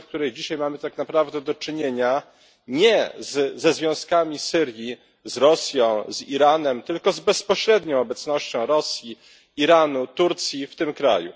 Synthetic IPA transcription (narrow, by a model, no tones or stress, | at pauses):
fk̚t̪uɾɛjd͡ʑiɕajmamɘt̪aknapɾavd̪ɛd̪ɔt͡ʂɘɲeɲa | ɲɛzzɛzvʲjɔ̃w̃skamʲisɘɾji | zɾɔsʲjɔ̃w̃ziɾanɛmt̪ɘlkɔzbɛzpɔɕɾɛd̪ɲɔ̃w̃ɔbɛt̪snɔɕt͡ɕɔ̃w̃ɾɔsʲji | iɾanut̪uɾt̪sʲjift̪ɘmkɾa̰jṵ